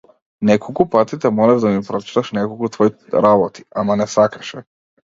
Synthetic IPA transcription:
nekokupat̪it̪ɛmolɛʒd̪amipɾot͡ʃi̥t̪aʃnekokut̪voji | ɾabot̪i̥amanesakɾaʃɛ

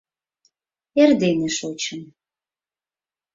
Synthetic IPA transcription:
erd̪eneʃot͡ɕən

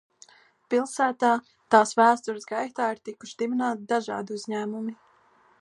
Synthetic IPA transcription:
pilˠsæːt̪aː | t̪aːsvæːst̪uɾɨsɡajt̪aːiɾt̪iku̥ʃid̪iminaːt̪d̪aʒɑ̰ːd̪iuzɲæːmumi

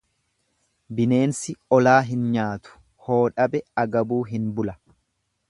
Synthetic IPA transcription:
bɪne̞ːnsɪɔlaːɦɪnɲaːt̪ʊ̥ | ho̞ːᶑɐbɛɐɡɐbuːɦɪnbʊlɐ

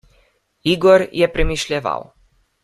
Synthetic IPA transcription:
iɡɔɾjɛpɾɛmiʃlʲjɛʋa̰w

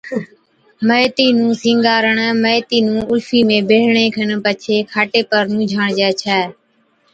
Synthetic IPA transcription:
məjt̪iːnũːsĩːŋɡaːɾəɳːməjt̪iːnũːʊlfiːmẽːbeːɽ̤ɳẽːkʰəɳpət͡ʃʰeːkʰaːʈeːpəɾnũːd͡ʒʱaːɳd͡ʒɛːt͡ʃʰɛː

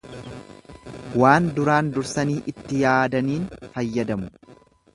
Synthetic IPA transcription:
waːnd̪ʊɾaːnd̪ʊɾsɐniːʔɪt̪ːɪjaːd̪ɐniːnfɐjːɐd̪ɐmʊ

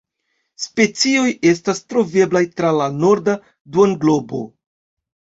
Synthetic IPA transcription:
spe̞t͡sio̞je̞s̬tastɾo̞ve̞blajtɾalano̞ɾda | duonɡlo̞bo̞̰

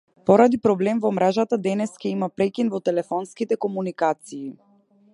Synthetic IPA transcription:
pɔɾad̪ipɾɔblɛmvɔmɾɛʒat̪ad̪ɛnɛskaimapɾɛkʲinvɔt̪ɛlɛfɔnskit̪ɛkɔmunikat̪siː

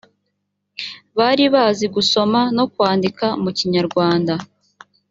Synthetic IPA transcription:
βaɾiβaːziɡuso̞mano̞kwaːndikaumuciɲaɾɡwaːnda

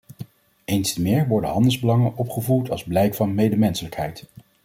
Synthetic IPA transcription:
ejnstəmɪːɹʋɔɹdəɦɑndəlˠzbəlɑŋənʔɔpχəvuɹtɑ̰lˠzblɛjkfɑnmejdəmɛnsələkɦɛjt

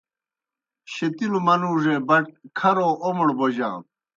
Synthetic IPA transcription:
ɕet̪ilumɐnuːʐebɐʈ̚kʰɐɾoːʔomoɽbod͡ʑã̰ː

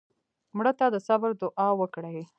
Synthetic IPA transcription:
mɽət̪ad̪əsabəɾd̪ʊʔɑwəkɽaj

